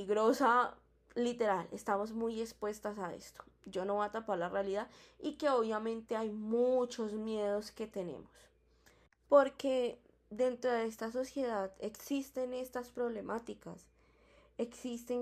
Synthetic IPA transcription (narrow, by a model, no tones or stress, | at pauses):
iɣɾosa | lit̪e̞ɾalest̪amo̞zmujespwe̞st̪asaḛst̪o̥d͡ʒo̞noβaat̪apaɾlarealiðaðike̞o̞βjamẽ̞nt̪e̞ajmut͡ʃo̞zmje̞ð̞o̞ske̞t̪e̞nḛmos | po̞ɾke̞ | d̪e̞nt̪ɾo̞ðeest̪as̬o̞sje̞ðaðe̞ksist̪e̞ne̞st̪aspɾo̞βle̞mat̪ikas | eksist̪e̞ŋ